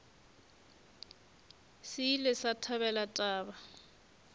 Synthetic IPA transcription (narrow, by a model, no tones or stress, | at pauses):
sɪlɪsatʰaβɛlatʼaːba